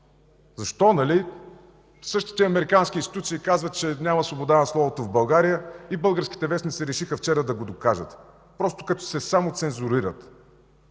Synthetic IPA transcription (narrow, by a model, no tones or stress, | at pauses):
zɐʃt̪ɔnɐli | sɤʃt̪i̥t̪ɛɐmɛɾikanskʲinst̪it̪ut̪siːkazvət̪̚t͡ʃɛnʲamɐsvobod̪anɐslˠɔvot̪ovbɐlˠɡaɾijəibɤlˠɡəɾskʲi̥t̪ɛvɛsnit̪sɛɾɛʃixəft͡ʃɛɾəd̪ɐɡod̪okaʒət̪ | pɾɔst̪o̥kɐt̪ɔ̥sɛsamot̪sɛnzʊɾiɾət̪